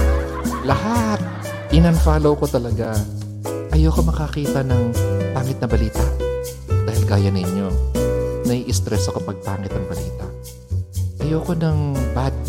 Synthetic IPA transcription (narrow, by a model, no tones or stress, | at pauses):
lɐhat̪̚ | ɪnɐnfaːlowko̞t̪ɐlɐɡa | ʔɐjokomɐkɐkiːt̪ɐnɐŋpaːŋɪt̪̚nɐbɐliːt̪ɐ̰ʔ | d̪aːhɪlɡaːjɐnɪɲːo̞ | nɐiʔɪst̪ɾɛsokɐpɐɡ̚paːŋɪt̪̚nɐŋbɐlḭːt̪ɐʔ | ʔɐjoːko̞nɐŋbad̪̚